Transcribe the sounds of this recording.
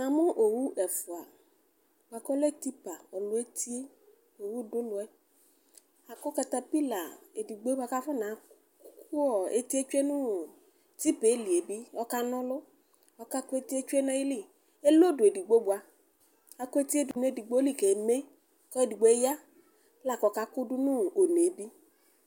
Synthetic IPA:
nã˨mɔ̃˦ʔo˨wu˦ʔɛ˨fʊ˨a˨ | ɡ͡ba˨kɔ˦le˦t̪i˦pa˨ɔ˨lʊ˦e˦t̪i˦e˦ | o˨wu˦dʊ˦lʊ˦ɛ˦ | a˨ko˦ka˨t̪a˨pi˦la˨e˨di˨ɡ͡bo˦ba˨ka˦fɛ˦nã˨˦ | ku˦ɔ˨ḛ˦t̪i˦e˦t͡ʃu˦e˦nũ˦ | t̪i˦pe˨˦li˨e˨bi˦ɔ˦ka˦nɔ̃˦lʊ˦ | ɔ˦ka˦ku˦e˦t̪i˦e˦t͡ʃu˦e˦nã˦je˦li˦ | e˦lo˦dʊ˨e˨di˨ɡ͡bo˦bu˨a˨ | a˨ku˦e˦t̪i˦e˦du˨n˨e˨di˨ɡ͡bo˦li˦˨ke˨me˦ | kɔ˦e˦˨di˨ɡ͡bo˨e˦ja˦ | la˨kɔ˨ka˦kʊ˦dʊ˦nũ˦o˨ne˨bi˦

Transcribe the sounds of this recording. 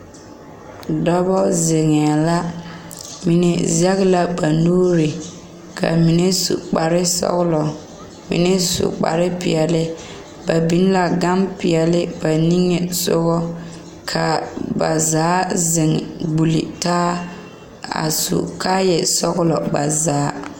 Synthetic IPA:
dɔ˦bɔ˦zɪ˨ŋɛ˨la˦ | mi˨nɛ̰˨zɛ˦ɣla˦ba˨nuː˦ɾɪ˨ | kʰa̰˨mi˨nɛ˦sṵ˨k͡pa˨ɾɪ˦sɔ̰˦ɣlɔ˨ | mḭ˨nɛ˦sʊ̰˨k͡pa̰˨ɾɪ˦pɪ̰˨ɛ˨lɪ˦ | ba˨bi˨˦n˦la˨ɡa˦npɪ˨ɛ˨lɪ˦ba˨ni˦ŋɛ˨sʊ̰˦ɣɔ˦ | kʰa˨ba˨zaː˨˦zɪ˨ŋɡ͡bu˨lḭ˨taː˦ | a̰˨sṵ˨ka˦jɛ˨sɔ˦ɣʊ˦lɔ˨ba˨zaː˨˦

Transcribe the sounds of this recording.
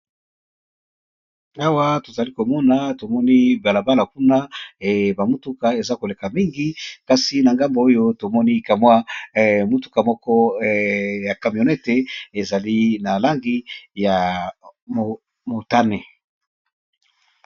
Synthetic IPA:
a˦wa˦to˨za˨li˦ko˨mɔ˦na˨to˨mɔ˦ni˦ba˨la˨ba˦la˨ku˦na˦ɛ˨ba˨mu˦tu˦ka˨e˨za˦ko˨le˨ka˨mi˦ŋɡi˦ka˨si˨na˨ŋɡa˦mbo˨o˦jo˦to˨mɔ˦ni˦˨ka˨mwa˦mu˦tu̥˦ka˨mɔ˦kɔ˦ | ja˨ka˨mjo˨nɛ˦te˨e˨za˨li˦na˨la˦ŋɡi˦ja˨mo˨ | mo˨ta˦ne˨

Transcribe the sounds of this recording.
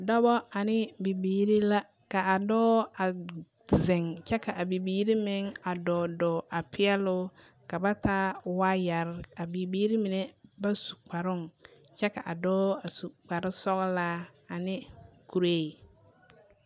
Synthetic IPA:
dɔ˦bɔ˦a˨nɪ˦bi˨biː˨ɾi˦la˦ | ka˨a˨dɔː˦a˨ | zɪ˨ŋt͡ʃɛ˦ka˨ʔa˨bi˨biː˨ɾi˦mɪ˦ŋa˨dɔː˨dɔː˨ʔa˨pʰɪ˦ɛ˦lʊ˦ | ka˨ba˦taː˦wa˦ja˨ɾa˨bi˨biː˦ɾi˦mi˨ne˦ba˦su̥˨k͡pa˨ɾʊ˦ŋt͡ʃɛ˦ka˨ʔa˨dɔː˦a˨su˨k͡pa˨ɾɪ˦sɔ˦ɣla˦a˨nɪ˦ku˨ɾe˦i˨

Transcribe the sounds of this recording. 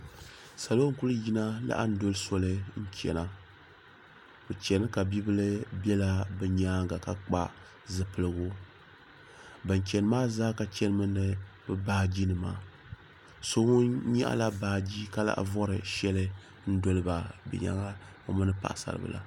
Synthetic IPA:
sa˨lo˦ŋ̩˦ku˦lɨ˦ji˦na˦la̰˦ʔa˦n̩˦do˦lɨ˦so˦lɨ˦n̩˦t͡ʃɛ̰˨na˦ | bɨ˨t͡ʃɛ˨nɨ˦ka˨bi˦bɨ˦lɨ˦bɛ˦la˦bɨ˨ɲaː˦ŋ˦ɡa˨ka˦k͡pa̰˦ | zɨ˨pɨ˨lɨ˦ɡʊ˦ | bɨ˨n˨t͡ʃɛ˨nɨ˦maː˦zaː˦ka˨t͡ʃɛ˦n˦mɨ˦nːɨ˦bɨ˦ba˦hd͡ʒi˦nɨ˨ma̰ː˨ | so˦ŋu˦ɲa̰˦ʔa̰˦la˦ba˦˨d͡ʒiː˦ka˦la̰˦ʔvɔ˦ɾɨ̰˨ʃɛ˦lɨ˦ | n̩˦do˦lɨ˦ba˨bɨ̰˨ɲa̰˦ŋa˦ | o̰˦mɨ˦nɨ˦pa̰˨ʔsa̰˨lɨ̰˦bɨ̰˨lʔa̰˨

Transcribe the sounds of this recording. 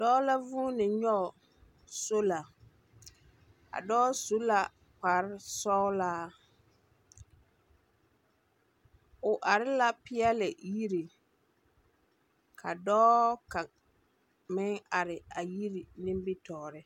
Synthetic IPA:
dɔː˦la˦vuː˦nɪ˨ɲɔ˦˨ | so˦la˨ | a̰˨dɔː˦so˦la˨ | k͡pa˨ɾɪ˦sɔ˦ʊ˦laː˦ | ʊ˨ʔa˨ɾɪ˦la˨pɪ˦ɛ˦lɪ˨ji˦ɾi˨ | kʰa˨dɔː˦ka˨ | mɪ˦ŋa˨ɾɪ˨a˨ji˦ɾi˨nɪ̃˦mbi˦tɔː˨ɾɪ˦

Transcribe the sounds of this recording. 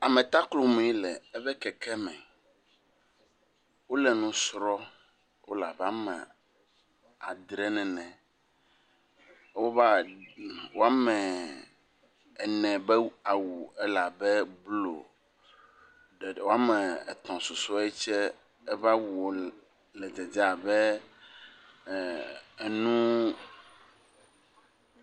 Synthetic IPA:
a˨mẽ˨t̪a˦klo˦mẽ˨˦lɛ˨ɛ˦bɛ˦kɛ˨kɛ˦mɛ̃˨ | wo˦lɛ˨nũ˨sɾɔ˦ | wo̰˦la̰˨ba˦mɛ̃˨ | a˨d̪ɾɛ˦nɛ̃˨nɛ̃˨˦ | wo˦va˦ | wo˦a˦mɛ̃˨ | ɛ˨nɛ̃˨bɛ˦a˨wu˨ɛ˦la˨bɛ˦blo̰˨ | ɖe˨wo˦a˦mɛ̃˨ḛ˨t̪ɔ̃˨su˨sɔ˦ɛ˦t͡ʃɛ˦ | e˦va˦wu˨o˨ | lɛ˨d͡ʒɛ˨d͡ʒɛ˦a˨bɛ˦˨ | nũ˦

